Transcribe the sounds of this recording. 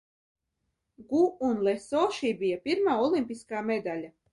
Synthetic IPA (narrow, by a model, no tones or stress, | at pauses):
ɡuunlˠɛsɔʃiːbijapʲiɾmaːɔlˠimpʲiskaːmed̪alʲa